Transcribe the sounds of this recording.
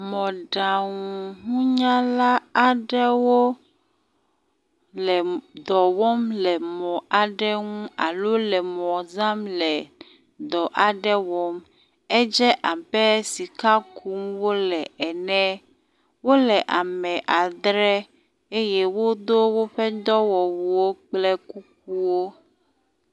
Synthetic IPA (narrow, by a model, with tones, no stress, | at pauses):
mɔ̃˨ɖa˨ŋuũ˨ŋũ˦ɲã˦la˦a˨ɖɛ˦wo˦ | lɛ˨d̪ɔ˨wɔ˦mlɛ˨mɔ̃˨a˨ɖɛ˦ŋũ˦a˨lo˦lɛ˨mɔ̃˨zã˦mlɛ˨ | d̪ɔ˨ʔa˨ɖɛ˦wɔ˦m | ɛ˦d͡ʒɛ˦ʔa˨bɛ˦si˨ka˦kʰu˦mwo˦lɛ˨ɛ˨nɛ̃˦ | wo˦lɛ˨ʔa˨mɛ̃˨ʔa˨d̪ɾɛ˦ | e˦jɛ˦wo˦d̪o˦wo˦ɸɛ˦d̪ɔ˦wɔ˨wu˨wo˦k͡plɛ˦ku˦k̚u˦wo˦